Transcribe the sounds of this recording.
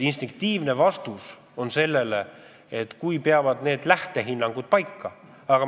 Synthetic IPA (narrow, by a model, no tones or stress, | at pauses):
inst̪iŋk̚t̪iːvne̞vɑst̪us | o̞nse̞lːe̞le | et̪kujpe̞ɑvɑd̪ne̞ːd̪̥læht̪e̞ɦinːɑŋɡ̥ud̪̥̚pɑjkːɑ | ɑɡ̥ɑ